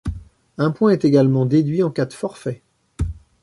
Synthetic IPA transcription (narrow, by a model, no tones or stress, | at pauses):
ɛ̃pwɛ̃ɛt̪eɡalmɑ̃d̪ed̪ɥiɑ̃kad̪fɔʁfɛ